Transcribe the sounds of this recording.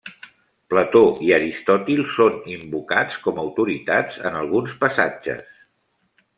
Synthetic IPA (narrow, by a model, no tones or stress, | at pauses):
plət̪oʔiəɾist̪ɔt̪ilˠsonimbukat͡skɔməwt̪uɾit̪a̰d͡zə̰nəlˠɣunspəsad͡ʒə̰s